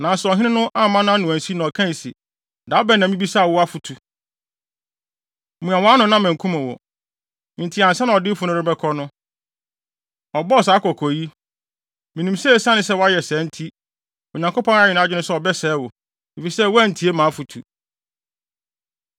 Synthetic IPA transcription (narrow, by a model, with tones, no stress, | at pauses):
nã˨n˨sɛ˦ɔ˨ɦɪ̃˦nɪ̃˦nʊ̃˦ʔa˦˨mːã˦nã˦nʊ̃˨æ̃˨n˨si˦nã˨ɔ˨kʰã˦n˨sḭ˨ | da˨˦bɛ˦˨nã˨mĩ˦bi˦sa˦˨wʊ˦a˦fu˨tʰu˨ | mũ˨ã˨w̃a˦nʊ̃˦nã˦mæ̃˨ŋ˨kʰũ˦mʊ̃˨wɔ̰˨ | ɪ̃˨n̩˨tʰi˨˦ã˨n̩˨sɛ˦nã˨ɔ˨dɪ˦fʊ˨˦nʊ̃˦ɾɪ̃˦bɛ˦kʰɔ˦nʊ̃˦ | ɔ˨bɔ˦ɔ˨saː˨˦kʰɔ˨kʰɔ˨ji˦ | mĩ˨nĩ˨msɛ˦˨sã˦nɪ̃˦sɛ˦wa˦jɛ˨sɛː˨˦n̩˦tʰi˦ | ɔ˨ɲã˨ŋkʰo˦pʰɔ̃˦n˦a˦jɪ˨ñ˨˦a˦˨d͡ʑɪ˦nʊ̃˦sɛ˦ɔ˨bɛ˦sɛː˨˦wʊ˨ | i˨fi˨sɛ˦wæ˦˨n̩˨tʰi˨e˦mã˨˦fu˨tʰṵ˨